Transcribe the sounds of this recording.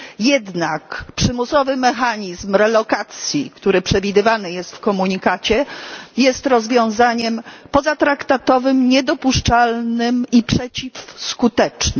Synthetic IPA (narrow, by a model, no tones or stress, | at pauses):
jɛd̪nakpʂɘmusɔvɘmɛxaɲizmɾɛlɔkat̪sʲjikt̪uɾɘpʂɛvʲid̪ɘvanɘjɛst̪fkɔmuɲikat͡ɕɛjɛst̪ɾɔzvʲjɔ̃w̃zaɲɛmpɔzat̪ɾakt̪at̪ɔvɘmɲɛd̪ɔpuʂt͡ʂalnɘmipʂɛt͡ɕifskut̪ɛt͡ʂn